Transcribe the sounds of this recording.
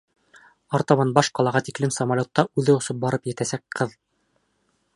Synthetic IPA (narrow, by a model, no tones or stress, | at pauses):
ɑɾt̪ɑmɑnbɑʃqɑlˠɑʁɑt̪iklɘmsɐmɐlʲot̪ːɑʔʉðɘŏsɤp̚bɑɾɤpjɘ̆t̪æsæk̚qɤð